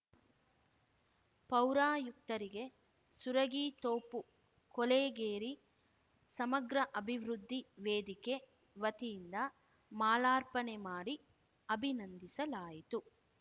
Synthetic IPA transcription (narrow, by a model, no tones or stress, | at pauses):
pɐwɾaːjuk̚t̪ɐɾiɡe̞ | suɾɐɡiːt̪oːpu | koleːɡeːɾi | sɐmɐɡɾɐʔɐbʱiʋɾud̪ʱːiʋeːd̪ike̞ | ʋɐt̪ijind̪ɐ | maːlaːɾpɐnemaːɽi | ɐbʱinɐnd̪isɐlaːjit̪u